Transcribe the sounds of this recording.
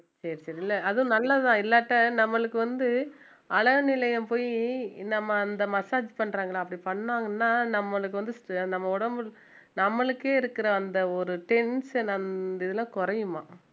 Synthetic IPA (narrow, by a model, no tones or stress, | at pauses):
sɐɾisɐɾiɪlːɐɐðɯʊ̃nɐlːaːðãːɪlːaːʈːɐnɐmːɐɭɯkːɯʋɐnd̪ɯ | ɐɭɐʋɯnɪlɐjɐmpoːjinɐmːɐːnd̪ɐmɐsaːd͡ʒpɐɳːɾaːŋɡɐɭãːɐpːɐɽipɐɳːaːŋɡɐnːaːnɐmːɐɭɯk̬ːɯʋɐnd̪ɯsʈnɐmːɐʊɽɐmbɯ | nɐmːɐɭɯkːeːɪɾɯkːɯɾɐːnd̪ɐɔɾɯʈɛnsnɐnɪðɯlãːkʊɾɐjɯmaː